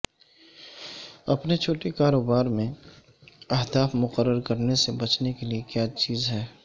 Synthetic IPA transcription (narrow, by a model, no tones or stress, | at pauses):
ɐpnet͡ʃʰoːʈekaːɾoːbaːɾmẽ | ɐɦd̪aːfmʊqəɾːəɾkəɾnesebɐt͡ʃnekeliekjaːt͡ʃiːzɦɛː